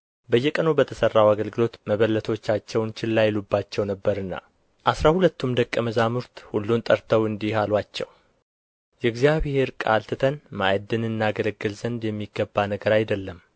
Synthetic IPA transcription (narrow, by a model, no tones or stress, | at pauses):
bəjːɛkʼənubət̪ʰəsərːawaɡəlɡɨlo̞t̪məβəlːət̪ʰot͡ʃːat͡ʃːɛwnt͡ʃʰɪlːajɪlubːat͡ʃːɛwnəbːəɾɨnːa̰ | ʔasɾahulət̪ːumd̪əkʼːəməzamuɾt̪hulːunt̪ʼəɾt̪ʰəwɨnd̪ihalwat͡ʃːɛ̰w | jɛɡzijaβhe̞ɾkʼa̰lt̪ʰɨt̪ʰənma̰jd̪ɨnɨnːaɡələɡːɨlzənd̪jɛmːiɡːəbːanəɡəɾajd̪əlːəm